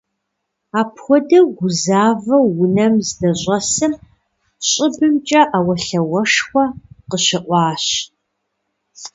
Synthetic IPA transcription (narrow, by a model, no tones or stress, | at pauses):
aːpʰxʷɔdɐɡʷʊzaːvɐwʊnɐmzdɐʑʷʼɐsɨm | ɕʼɪbɨmt͡ʃʼɐʔawɐɬɐwɐʂxʷɐqəɕɪʔʷɑːɕ